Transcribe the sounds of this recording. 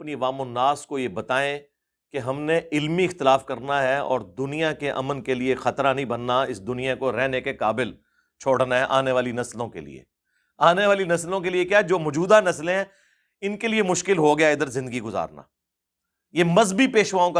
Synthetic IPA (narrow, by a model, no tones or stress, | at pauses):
ɐpniɐʋaːmʊnːaːskojebɐt̪aːẽ | keɦɐmneɪlmiɪxt̪ɪlaːfkɐɾnaɦɛɔ̰ːɾd̪ʊnijakeʔɐ̰mənkeliexɐt̪ɾanɐɦĩbɐnːaɪsd̪ʊnijakoɾɛɦnekekaːbɪl | t͡ʃʰoːɽnaɦɛʔaːneʋaːlinɐslõkḛlḭḛ | aːneʋaːlinɐslõk̬eliekjaːɛd͡ʒoːmʊd͡ʒuːd̪anɐslẽɦɛ̃ | ɪnkeliemʊʃkɪlɦoɡɐjaɪd̪əɾzɪ̃nd̪əɡiɡʊza̰ːɾna̰ː | jemɐzbipeːʃʋaːõka